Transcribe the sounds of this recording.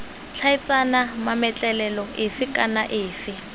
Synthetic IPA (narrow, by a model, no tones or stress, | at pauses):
t͡ɬʰaɪt͡sʼanamamɛt͡ɬʼɛlɛlɔɪfɪkʼanaʔɪːfɪ